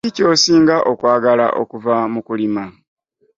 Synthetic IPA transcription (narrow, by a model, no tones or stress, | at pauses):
ico̞ːsiːŋɡaʔokwaːɡala̰ʔo̰kuvamukulima